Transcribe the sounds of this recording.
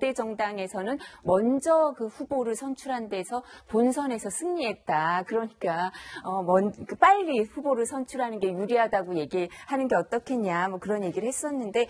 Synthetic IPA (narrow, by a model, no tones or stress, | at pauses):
d͈e̞d͡ʑʌŋdaŋe̞sʰʌnɯnmʌnd͡ʑʌkɯɸuboɾɯɭsʰʌnt͡ɕʰuɾɦande̞sʰʌponsʰʌne̞sʰʌsʰɯŋɲie̞t̚t͈akɯɾʌɲik͈aʌmʌnkɯp͈aʎːiɸuboɾɯɭsʰʌnt͡ɕʰuɾɦanɯnɡe̞juɾiɦadaɡoje̞ɡiɭhanɯnɡe̞ʌt͈ʌkʰe̞ɲamʌkɯɾʌnje̞ɡiɾɯɭhes͈ʌnːɯnde̞